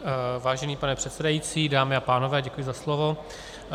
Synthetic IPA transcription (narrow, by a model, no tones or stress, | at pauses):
vaːʒɛniːpanɛpr̝̥ɛt̪sɛdajiːt͡siːdaːmɪapaːno̞vɛːɟɛkujɪzaslovo̞